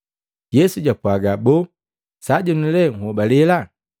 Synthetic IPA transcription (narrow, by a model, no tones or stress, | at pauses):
jɛsuɟapuaɡabo | saɟɔnilɛŋɔbalela